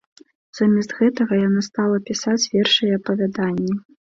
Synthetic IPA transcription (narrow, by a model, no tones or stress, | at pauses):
z̥amʲɛst̪ɣɛt̪ɐɣɐjanast̪alˠɐpʲisat͡sʲvʲɛrʂɨjɛːpɐvʲad̪anʲːɛ